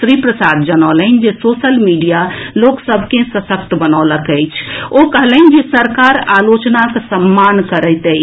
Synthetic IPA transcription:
sɾipɾəsad̪d͡ʒənɔlənd͡ʒesosəlmiɖijaloksəbʱkẽsəsək̚t̪bənɔləkəjt͡ʃʰokəɦlən̆d͡ʒesəɾkaɾalot͡ʃnakesəmːankəɾət̪əj

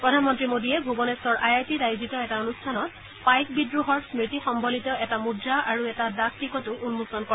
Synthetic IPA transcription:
pɹɔdʱanmɔntɹimodiɛbʱubɔnestɔɹʔajajpidajzitɔɛtaonustʰanɔt̚ | pajk̚bidɹuɦɔɹsmitixɔmbʱolitɔɛtamudɹaʔaɹuɛtadak̚tikɔtʊʔunmusɔnkɔ

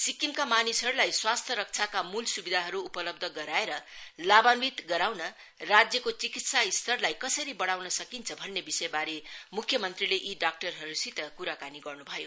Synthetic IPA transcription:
sikimkamanisɦʌɾulajswast̪ʰjʌɾʌk̚t͡sʰakamulsubid̪ʱaɦʌɾuːpʌlʌb̚d̪ʱʌɡʌɾaeɾʌlabanbit̪ɡʌɾawnʌ | rad͡zjʌkot͡sikit̪saist̪ʰʌrlajkʌsʌɾibʌɽawnʌsʌkint͡sʰʌbʱʌnːebisʌjbaɾemukʰjʌmʌnt̪rileʔiɖak̚ʈʌrɦʌɾusit̪ʌkuɾakaniɡʌrnubʱʌjo

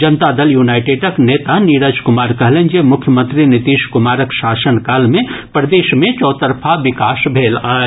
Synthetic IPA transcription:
d͡ʒənt̪ad̪əljunajʈeɖəknet̪aniɾəd͡ʒkumaːɾkəɦlend͡ʒemʊkʰjəmə̃nt̪ɾinit̪iːʃkumaːɾəksaːsənkalmepɾəd̪eːʃmẽt͡ʃɔːt̪əɾpʰaʋikaːsbʱeːlaːe

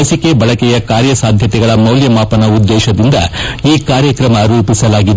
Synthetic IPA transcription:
ɐsikebɐɭɐkɛjɐkaːɾjɐsaːd̪ʱjɐt̪ɛɡɐɭɐmɐwljɐmaːpɐnɐud̪ːɛːʃɐd̪ind̪ɐ̰iːkaːɾjɐkɾɐmɐɾuːpisɐlaːɡid̪

